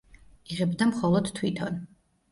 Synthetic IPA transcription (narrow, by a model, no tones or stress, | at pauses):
iʁɛbd̪amχɔlˠɔd̪̥t̪ʰːwit̪ʰɔn